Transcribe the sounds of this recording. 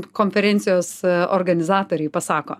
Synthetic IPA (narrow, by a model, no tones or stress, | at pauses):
koːnʲfʲɛɾʲɛnʲt̪sʲɪjoːso̰ːɾɡɐnʲɪzɑːt̪oːɾʲɛɪpɐsɑːko̰ː